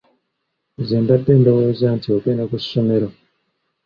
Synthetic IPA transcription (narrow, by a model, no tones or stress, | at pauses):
zeːndadeːndawozaːntiwakeːndakusʃomeɾo